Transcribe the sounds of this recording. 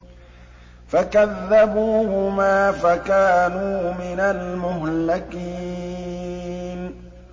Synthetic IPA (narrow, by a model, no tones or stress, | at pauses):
fakaðːabuːhʊmaːfakaːnuːmɪnalmʊɦlɪqiː | n